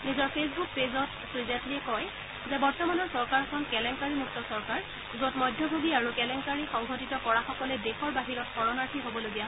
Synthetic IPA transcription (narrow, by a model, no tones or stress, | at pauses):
nizɔɹpʰes̬buk̚pezɔt | sɹizatiɛkɔj | zɛbɔɹtɔmanɔɹsɔɹkaɹɛkʰɔnkɛlɛŋkaɹimuk̚tɔsɔɹkaɹ | zotmɔjdʱːɔbʱoɡiaɹukɛlɛŋkaɹixɔŋɡʱɔtitɔkɔɹaxɔkɔlɛdexɔɹbaɦiɹɔtxɔɹɔnaɹtʰiɦobɔloɡija